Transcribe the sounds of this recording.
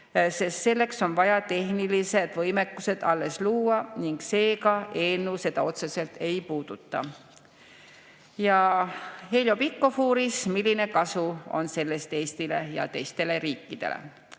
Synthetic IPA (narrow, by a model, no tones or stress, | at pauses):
se̞st̪se̞lːe̞kso̞nvɑjɑt̪e̞hnilise̞d̪̥vɤjme̞kːuse̞d̪̥ɑlːe̞sluːɑniŋɡse̞ːkɑe̞ːnːuse̞d̪̥ɑo̞t̪se̞se̞lt̪ʰe̞jpuːd̪̥ut̪ːɑ̰ | jɑ | hejlo̞pikːo̞fuːɾismilːine̞kɑsuo̞̰nse̞lːe̞st̪eːst̪ile̞jɑ̰t̪e̞jst̪e̞le̞ɾiːkːid̪̥e̞̰lḛ